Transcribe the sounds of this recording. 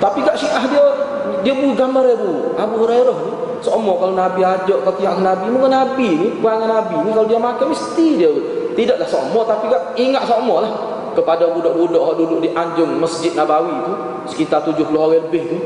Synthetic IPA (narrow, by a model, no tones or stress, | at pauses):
t̪apiɡaʔʃiʔaɦdiə | diəbuɡaməɾebuabuhɾeɾɔhni | somɔkalonabiad͡ʒɔʔkat̪iaʔkənabimuŋkənabinikuaŋanabinikalodiamakamist̪idiə | t̪idaʔlahsomɔt̪apiɡaʔiŋaʔsomɔlah | kəpadabudɔʔbudɔʔɦɔʔdudʊʔdiʔaɲd͡ʒʊŋməsd͡ʒɪt̪̚nabawit̪u | sə̥kit̪art̪ud͡ʒʊhlɔɦoɣɛləbɪht̪u